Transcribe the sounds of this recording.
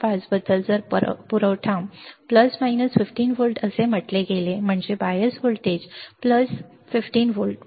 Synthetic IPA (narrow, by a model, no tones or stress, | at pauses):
pat͡sbəd̪əld͡zəɾpuɾəʋʈʰãmpləsmajnəsfifʈiːnfulʈəsem̤əʈleɡelem̤əɳd͡ʑebajəsʋulʈed͡ʑpləs | fifʈiːnfulʈ